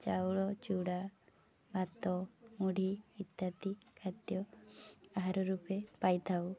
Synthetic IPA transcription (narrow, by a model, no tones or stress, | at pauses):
t͡ʃawɭɔt͡ʃuɽa | bʱat̪ɔmuɽʱiit̪ːat̪ikʰat̪jɔ | aɦaɾɔɾupepajt̪ʰaw